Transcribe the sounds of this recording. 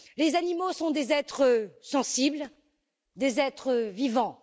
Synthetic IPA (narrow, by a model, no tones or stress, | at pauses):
lezanimosɔ̃d̪ezɛt̪χəsɑ̃sibl | d̪ezɛt̪χəvivɑ̃